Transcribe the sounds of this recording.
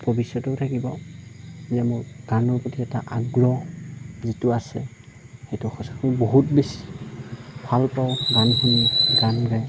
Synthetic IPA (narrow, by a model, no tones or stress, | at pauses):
b̥ʱɔbisɔtɔtʰakibɔ | zɛmʊɹɡ̥anɔɹpɔtiɛta̰ʔaɡɹɔzitʊasɛ | xejtʊxɔsakuboɦut̚besi̥ | bʱalpaʊɡanhuniɡanɹɛ